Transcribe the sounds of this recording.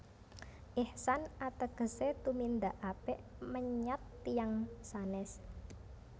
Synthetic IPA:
ʔihsanat̪əɡ̥ə̤set̪umind̪aʔapeʔ | məɲat̪ːijaŋsanɛs

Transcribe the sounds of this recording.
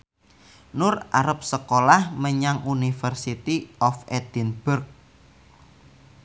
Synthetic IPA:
nʊra̰ɾəp̚səkolahməɲaŋunifərsit̪iɔfed̪̥inb̥ʊrk̚

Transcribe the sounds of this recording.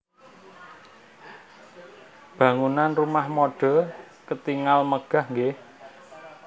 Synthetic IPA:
b̥a̤ŋunanrumahmoɖ̥ɔ̤ | kət̪iŋalməɡ̥a̤hŋɡeh

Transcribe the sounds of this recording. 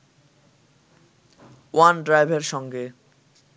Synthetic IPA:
wanɖɾajbʱeɾʃɔŋɡe

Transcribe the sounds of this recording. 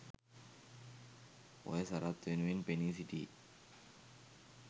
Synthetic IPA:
o̰esaɾat̪ːenuinpenis̬iʈ̪ḭ

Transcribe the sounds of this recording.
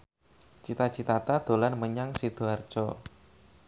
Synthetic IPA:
t͡ʃit̪at͡ʃit̪at̪ad̪̥o̤lanməɲaŋsid̪̥oard̥t͡ʃɔ

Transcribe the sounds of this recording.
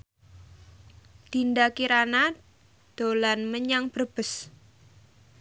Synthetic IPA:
d̪̥ind̪akiɾana | d̪̥o̤lanməɲaŋb̥ərb̥ə̤s

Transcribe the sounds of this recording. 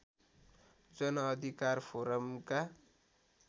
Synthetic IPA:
d͡zʌnʌːd̪ʱikarpʰoɾʌmka

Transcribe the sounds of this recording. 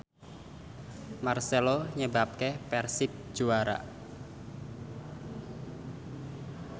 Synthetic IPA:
marseloɲəbap̚kepɛrsɪp̚d͡ʒ̥uaɾa̰

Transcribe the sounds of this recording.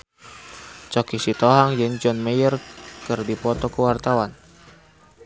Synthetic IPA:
t͡ʃɔkisit̪ɔɦaŋd͡ʒɨŋd͡ʒɔnməjərkɨrdipɔt̪ɔkuwart̪awan

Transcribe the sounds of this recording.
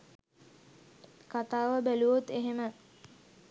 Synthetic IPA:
kat̪aːʋəbæluʋot̪eɦemə

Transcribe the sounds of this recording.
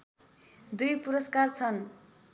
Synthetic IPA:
d̪ujpuɾʌskart͡sʰʌn

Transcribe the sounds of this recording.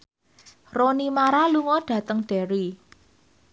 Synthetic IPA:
ronimaɾaluŋɔɖ̥ä̤t̪əŋɖ̥ɛɾi

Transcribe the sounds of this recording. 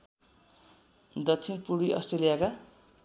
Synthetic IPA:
d̪ʌkt͡sʰinpuɾiʔʌ̰sʈrelijaka

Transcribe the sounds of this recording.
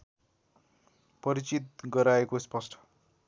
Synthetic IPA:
pʌɾit͡sit̪̚ɡʌɾaekospʌsʈʰʌ̥

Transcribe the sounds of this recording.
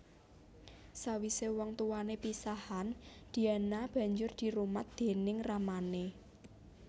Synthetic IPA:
sawisewɔŋt̪uwanepisahand̪̥i̤anab̥ä̤ɲd͡ʒʊrd̪̥i̤ɾumat̪̚d̪̥e̤nɪŋramane

